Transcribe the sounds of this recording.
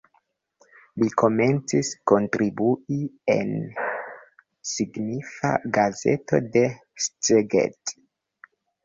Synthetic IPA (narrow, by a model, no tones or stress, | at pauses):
liko̞me̞nt͡sisko̞ntɾibuiḛn | siɡnifa̰ɡaze̞̰to̞̰de̞ | st͡seɡḛt